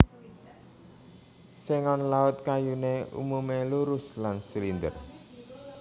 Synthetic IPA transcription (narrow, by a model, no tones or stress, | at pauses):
seŋɔnlaʊt̪̚kajuneṵmumeluɾʊslansilind̪ə̰r